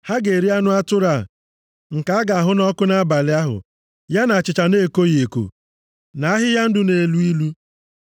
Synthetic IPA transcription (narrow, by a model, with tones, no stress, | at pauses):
ha˦ɡe˨ɾi˦a˦nʊ˦a˦tʊ˦ɾa˦˨ | ŋ̩˨ka˨a˦ɡa˨a˨ɦʊ˦nɔ˦kʊ˦na˦ba˨lɪ˦a˦ɦʊ̰˨ | ja˦na˨a˨t͡ʃɪ˨t͡ʃa˨ne˦˨ko˦je˨ko̰˨ | na˨a˦ɦɪ˦ja˦n̩˦dʊ˨ne˨lu˦i˦lu˦